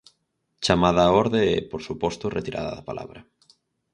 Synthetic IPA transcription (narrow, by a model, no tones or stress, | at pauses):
t͡ʃamaðaːɔɾðeɛpoɾsupɔst̪ʊret̪iɾa̰ða̰ðapa̰lʔa̰βɾɐ